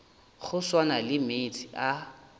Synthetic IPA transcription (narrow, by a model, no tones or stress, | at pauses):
χʊswanalɪmetʰia